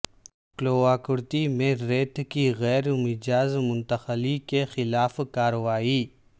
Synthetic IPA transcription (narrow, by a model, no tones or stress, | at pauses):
kloːaːkʊɾt̪imẽɾeːt̪kiɣɛːɾmɪd͡ʒaːzmʊ̃nt̪əxəlikexɪlaːfkaːɾəʋaːiː